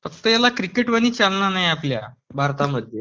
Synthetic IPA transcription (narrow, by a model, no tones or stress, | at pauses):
fək̚t̪əjalakɾikeʈʋəɽ̃iːt͡ɕalnanajaplja̰bʱaɾt̪aməd̪ʱje